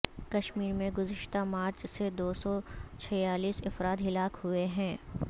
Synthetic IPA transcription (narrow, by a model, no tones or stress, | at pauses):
kɐʃmiːɾmẽɡʊzɪʃt̪amaːɾt͡ʃsed̪oːsɔt͡ʃʰɛjaːliːsɪfɾaːt̪ɦɪlaːkhueɦɛ̃ː